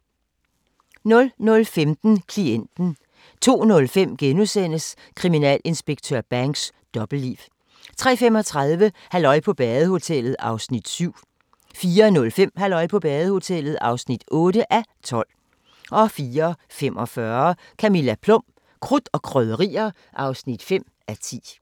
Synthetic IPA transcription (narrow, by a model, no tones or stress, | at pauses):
nɔ̽lnɔ̽lfemd̥n̩kʰlien̰d̥n̩ | t͡sʰo̝̰ːnɔ̽lfem̰ɡ̥enusen̰əs | kʰʁiminɛ̰ːle̝nsb̥e̝ɡ̥t͡sʰøɐb̥æŋɡ̥sd̥ɒ̽b̥l̩diːʋ | t͡sʰʁɛ̰ːfemɒ̽t͡sʰʁɑ̈ð̞ˠʋəhælɒ̽ɪpʰɒ̽b̥ɛːð̩ˠəho̝t͡sʰel̰ð̞̩ˠɑ̈ʊsnid̥syʊ̰ | fiːɐnɔ̽lfem̰hælɒ̽ɪ̰pʰɒ̽b̥ɛːð̩ˠəho̝t͡sʰel̰ð̞̩ˠɑ̈ʊsnid̥ɔ̽ːɾəʔæt͡sʰɒ̽l̰ | ʔɒ̽fiːɐfemɒ̽fɶɐ | kʰæmilæpʰlɔ̽m̰ | kʰʁud̥ɒ̽kʰʁœðˠəʁḭːɐ | ʔɑ̈ʊsnid̥fem̰ | ʔæt͡sʰḭː